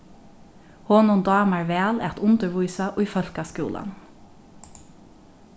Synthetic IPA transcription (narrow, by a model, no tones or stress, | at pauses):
hoːnʊnd̪ɑːmæɹʋeːlɛt̪ʊnd̪əɹʋuʏsɑʔoːiːfœlkɑskṵːlʔə̰n